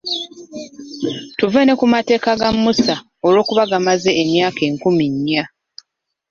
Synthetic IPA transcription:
tuvene̞kumate̞ːkaɡamːusa | o̞lwo̞ːkuβaɡamaze̞ːmjaːke̞ːŋkumiɲːa

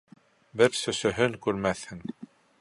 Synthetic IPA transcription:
bɘɾsɵ̆sɵ̆ɦɵŋkʉɾmæθhɘŋ

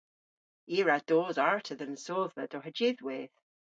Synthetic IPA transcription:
iːɹad̥oːzaɹtʰəðənsoːðvəd̥ɔɦəd͡ʒɪðweːð̥

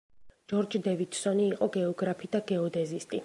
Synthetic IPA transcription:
d͡ʒɔɾd͡ʒd̪ɛvid̪̥sɔniːqʼɔɡɛɔɡɾapʰid̪̥aɡɛɔd̪ɛzist̪ʼi

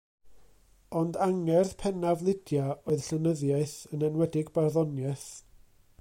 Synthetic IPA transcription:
ɔndaŋɛrθpʰɛnavlˠɪdjaoɨð̥ɬənəðjaɨθənɛnwɛdɪɡbarðɔnjɛθ

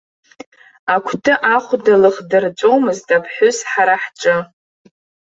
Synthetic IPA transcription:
akʷʰtʰɨʔaχʷdalɨχdɨrt͡sʷʼowmɨztʼapʰħʷʊzħaɾaħʈ͡ʂʼɨ

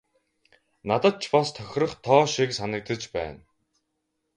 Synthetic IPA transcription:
nat̪ə̆t̪̚t͡ɕʰpɔst̪ʰœxʲrə̆χt̪ʰɔːʃiksanə̆k̚t̪ə̆t͡ɕpæ̰ːn

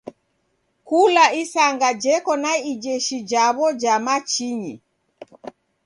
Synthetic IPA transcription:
kulaisaŋɡad͡ʒɛkɔnaid͡ʒɛʃid͡ʒaβɔd͡ʒamat͡ʃiɲi

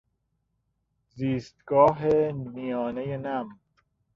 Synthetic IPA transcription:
ziːst̪ɡɒːɦemijɔːnejenæm

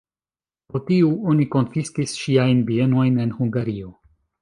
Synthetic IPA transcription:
potiuo̞niko̞nfiskisʃiajnbie̞no̞jne̞nhuŋɡaɾio̞

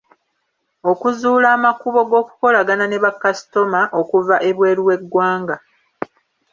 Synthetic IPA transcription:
o̞kuzuːlaːmakuβo̞ɡo̞ːkuko̞laɡanane̞βakːasi̥to̞maʔo̞kuvaʔe̞βwe̞ːɾiwe̞ɡwaːŋɡa

